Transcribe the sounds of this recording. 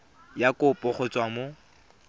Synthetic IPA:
jakʊpʼɔχɔt͡sʼwamo

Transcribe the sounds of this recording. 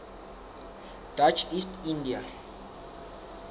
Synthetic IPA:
d̪̥at͡ʃʰist̪ʰĩnd̪ia

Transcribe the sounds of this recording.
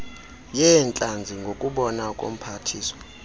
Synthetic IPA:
jɛnt͡ɬʼand͡zʱiŋɡʱokʼuɓɔnakʼo̰m̩pʰatʰiːsɔ̥

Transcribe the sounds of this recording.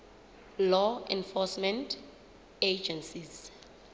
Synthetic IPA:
lɔɛ̃nfɔsmɛ̃ntʰ | ed͡ʒɛ̃nsiz

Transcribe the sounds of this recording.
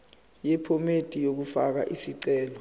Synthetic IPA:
jɛpʰɔmetʼijok̬ufak̬a̰ʔisiǀɛːlɔ

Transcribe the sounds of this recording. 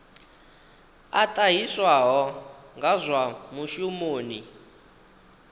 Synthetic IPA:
atʼaɦiswaɦɔŋɡʱazʷwamuʃumoːni

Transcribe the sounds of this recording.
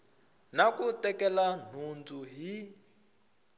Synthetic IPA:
nakutɛkɛlan̤und͡zuɦi

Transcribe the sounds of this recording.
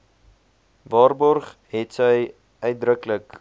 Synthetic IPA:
vɑːrbɔrχɦɛtsəj | œɥt̚drəklək

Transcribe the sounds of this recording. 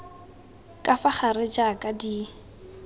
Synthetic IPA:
kʼafaχarɪd͡ʒakʼadi

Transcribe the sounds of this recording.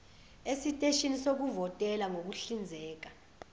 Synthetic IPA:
esitʼeʃinisok̬uvɔtʼɛlaŋok̬uɬind͡zʱɛːk̬ḁ

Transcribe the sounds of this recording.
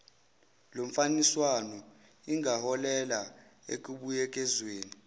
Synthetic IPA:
loɱ̩faniswanɔ | iŋahɔlɛlaḛk̬ʼuɓujɛk̬ʼɛzweːni

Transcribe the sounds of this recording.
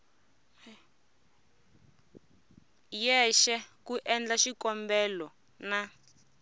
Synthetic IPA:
jɛʃɛkuʔɛnd͡ɮaʃikɔmbɛlɔ | na

